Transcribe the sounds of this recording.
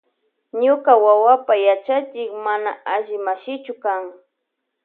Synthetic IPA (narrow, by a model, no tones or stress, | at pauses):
ɲʊkawawapajat͡ʃat͡ʃɪkmanaaʒɪmaʃɪt͡ʃʊkaŋ